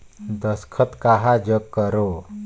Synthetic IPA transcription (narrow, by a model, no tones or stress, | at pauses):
d̪əskʰət̪kaɦad͡ʒəkːəɾo